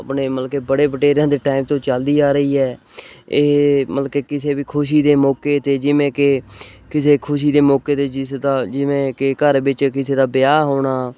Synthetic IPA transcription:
əpneːməlkeːbəɽeːpəʈeːɾãːd̪eːʈaːimt̪õːt͡ʃəld̪iːaːɾəiːɦɛː | eməlkeːkɪseːʋiːkʰʊʃ̬iːd̪eːmɔːkeːt̪eːd͡ʒɪʋẽːkekɪseːkʰʊʃ̬iːd̪eːmɔːkeːt̪eːd͡ʒɪsd̪aːd͡ʒɪʋẽːkekəɾbɪt͡ʃkɪseːd̪aːbɪjaːɦoːɽaː

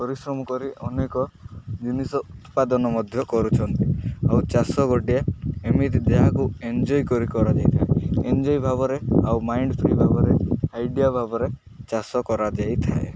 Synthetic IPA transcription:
pɔɾisɾɔmɔkɔɾiʔɔnekɔd͡ʒinisɔʔut̪pad̪ɔnɔmɔd̪ʱjɔkɔɾut͡ʃʰɔnt̪iawt͡ʃasɔɡɔʈijaemit̪id̪eɦakuend͡ʒɔjkɔɾikɔɾad͡ʒajt̪ʰaeend͡ʒɔjbʱaβɔɾeawmajɳɖpʰɾibʱabɔɾeajɖijabʱabɔɾe | t͡ʃasɔkɔɾad͡ʒajt̪ʰa̰ḛ

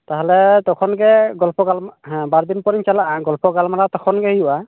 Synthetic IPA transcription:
taɦɛlɛtɔkʰɔnɡɛɡɔlpɔɡalm̃baɹd̪inpɔɹiɲt͡ʃalaʔɡɔlpɔɡalmaɾatɔkʰɔnɡɛhijuʔa

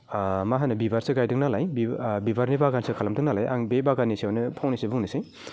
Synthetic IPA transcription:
maɦanɯbibaɾsɯɡajdɯŋnalajbibibaɾnibaɡansekʰalɐmdɯŋnalaja̰ŋbebaɡanisawnɯpʰawnisebuŋnisej

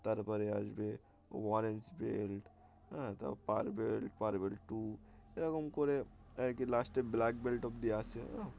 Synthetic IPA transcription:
t̪ɐɾpəɾea̰d͡ʒbḛ | ʋaːɾensbḛlʈ | ãt̪ɐ̰pa̰ːɾbelʈpaːɾbelʈʈu | eɾɐkomkoɾeekilaːsʈeblaːkbelʈɔp̚d̪iaːseã

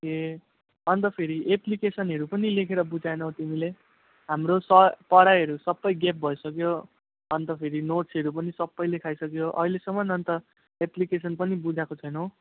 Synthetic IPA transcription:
ke | ʌnt̪ʌpʰeɾiʔeplikesʌnɦʌɾupʌnilekʰeɾʌbud͡zajnʌwt̪imile | ɦamrosʌpʌɽaɦʌɾusʌbːʌjɡep̚bʱʌjsʌkjo | ʌnt̪ʌpʰeɾinoʈsʌɾupʌnisʌbːʌjlekʰajsʌkjoʔʌ̰ilesʌmːʌnʌnt̪ʌ | eplikesʌnpʌnibud͡zʱakot͡sʰʌjnʌw

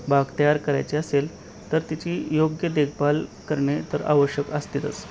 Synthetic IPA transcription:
baɡt̪əjaɾkəɾa̰jt͡ɕeəsel | t̪əɾt̪it͡ɕiːjoɡjəd̪ekʰbalkəɾɳet̪əɾa̰ʋəɕjəkəst̪it̪ə̰t͡s

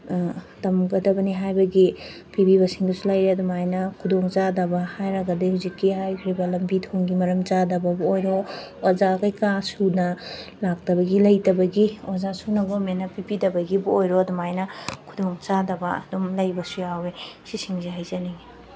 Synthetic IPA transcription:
tɐmɡɐdɐbɐniɦajbɐɡi | pibiβɐsiŋdusulajɾeɐdumajnɐkʰudoŋt͡ʃadɐbɐhajɾɐɡɐdihuzikːihajkʰɾibɐlɐmbitʰoŋɡimɐɾɐmt͡ʃadɐbɐbuojɾoozakɐjkasunɐlak̚tɐbɐɡilɐjtɐbɐɡiozasunɐɡomenɐpipidɐbɐɡibuojɾoɐdumajnɐkʰudoŋt͡ʃadɐbɐɐ̰dumlɐjbɐsujawesisiŋziɦajzɐni

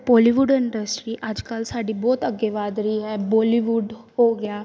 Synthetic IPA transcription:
bɔːliʋuɖɪ̃ɳɖəsʈɾiːʔəd͡ʒkəlsaːɖibɔːt̪əɡːeːʋaːd̪ɾiːɦɛːbɔːliʋuːɖhoːɡɪaː

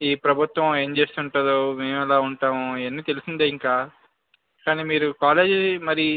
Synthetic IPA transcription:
iːpɾɐbʱut̪ʋɐ̃me̞ːɲt͡ʃe̞ːst̪uɳʈud̪oːme̞ːmɛlaːuɳʈaːmuiɐnːiːt̪e̞lusind̪aːiŋkaː | kaːniːmiːɾukaːle̞ːd͡ʒmɐɾi

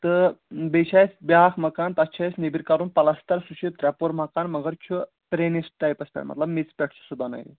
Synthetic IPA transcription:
t̪ɨbet͡ʃʰajsʲbʲjaːxmɐkaːnt̪ɐt͡ʃʰajsnebiɾʲkɐɾunpɐlɐst̪ɐɾsuʃʰit̪ɾɛpoɾmɐkaːnmɐɡɐɾt͡ʃʰu | pɾenisʈ̪ajpɐspʲɐ̰nmɐ̰t̪lɐbmit͡spʲɛʈʰsu̥sɨbɐnɐ̰jḭ

